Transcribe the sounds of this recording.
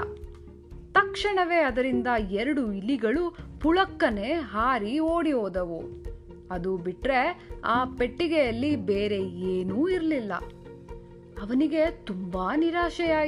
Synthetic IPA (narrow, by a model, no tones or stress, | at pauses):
t̪ɐkʂɐɳɐʋe̞ːɐd̪ɐɾind̪ɐɛɾɐɽuiliɡɐɭupuɭɐkːɐneɦaːɾioːɽiɦoːd̪ɐʋu | ɐd̪ubiʈɾe̞aːpe̞ʈːiɡejɐlːibeːɾe̞eːnuːiɾlilːɐ̰ | ɐʋɐniɡe̞t̪umbaːniɾaːʃɐjaː